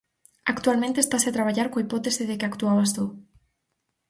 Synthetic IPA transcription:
akt̪uwalmẽnt̪est̪asat̪ɾaβ̞aʝaɾkoipot̪esiðekeakt̪uaβast̪u

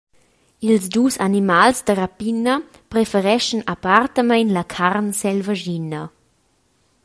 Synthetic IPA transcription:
ilzduːsanimalsdəɾapinə | pɾefəɾɛʃənapart̪əmajnlakʰarnsɛlvaʒinə

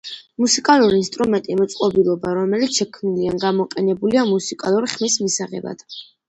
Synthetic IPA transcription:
musikʼalˠuɾiːnst̪ʼɾumɛnt̪ʼimɔt̪sʼqʼɔbilˠɔbaɾɔmɛlit̪sʃɛkʰmnilianɡamɔqʼɛnɛbuliamusikʼalˠuɾiχmismisaʁɛ̰ba̰d̪̥

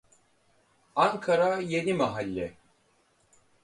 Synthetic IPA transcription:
aŋkʰaɾajenimaɦalʲːɛ

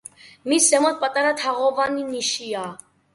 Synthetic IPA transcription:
misɛmɔt̪̚pʼat̪ʼaɾat̪ʰaʁɔvaniniʃia

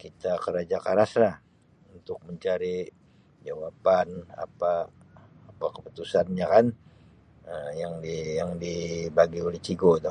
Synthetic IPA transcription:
kit̪akəɾad͡ʒakaɾaslah | unt̪ʊk̚məɲt͡ʃaɾi | d͡ʒawapana̰paː | pakəpu̥t̪usanɲakan | əjaŋdijaŋdibaɡiolɛht͡ʃiɡoit̪u

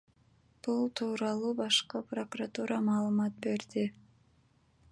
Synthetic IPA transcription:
b̥ulˠt̪ʰuːɾɑlˠubɑʃqɤpro̞kurat̪uɾɑmɑːlˠəmɑt̪̚be̞ɾd̪ɪ

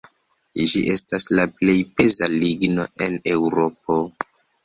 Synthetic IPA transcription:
d͡ʒḭʔe̞staslaple̞jpe̞zaliɡno̞e̞newɾo̞po̞

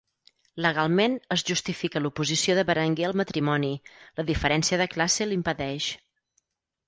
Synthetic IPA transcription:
ləɣ̞alˠmenəzʒust̪ifikəlupuzisioðəβəɾəŋɡeəlˠmət̪ɾimɔniləðifəɾɛnsiəðəklaselimpəðɛʃ

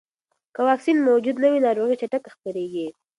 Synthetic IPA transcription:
kawɑksinmawd͡ʒud̪nawinɑɾoɣit͡ʃaʈakxpəɾeɡi

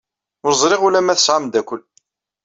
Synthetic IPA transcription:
ʊɾzˤɾˤiʁʊlæmæθəsʕamd̪ækʷəl

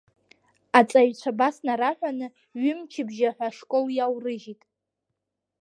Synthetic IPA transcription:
at͡sʼaɥt͡ɕʷʰabasnaɾaħᶣʷanɨ | ɥɪmt͡ʃʰɪbʒaħʷaʂkʷʼoljawrɨʒitʼ

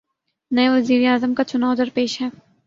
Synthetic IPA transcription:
nɐeʋɐziːɾeaːzəmkat͡ʃʊnaːʊd̪əɾpeːʃɦɛː

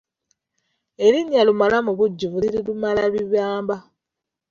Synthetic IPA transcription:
e̞ɾiɲːalumalamuβuɟːivuiɾilumalaβiβjaːmba

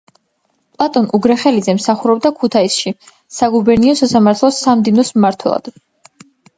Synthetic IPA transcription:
pʼlˠat̪ʼɔnuɡɾɛχɛlid̪zɛmsaχuɾɔb̚d̪akʰut̪ʰaisʃi | saɡubɛɾniɔsasamaɾt̪ʰlˠɔsamd̪inɔsmːaɾt̪ʰwɛ̰lˠa̰d̪̥

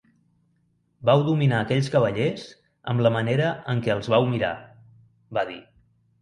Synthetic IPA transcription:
bawd̪uminaəkɛʎʲskəβ̞əʎez | ə̰mləməneɾəʔəŋkɛəlˠzβawmiɾa̰ | baðḭ

